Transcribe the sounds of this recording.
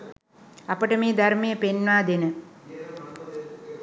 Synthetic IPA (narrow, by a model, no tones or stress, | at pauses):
apəʈəmeːd̪aɾmejəpenʋaːd̪enə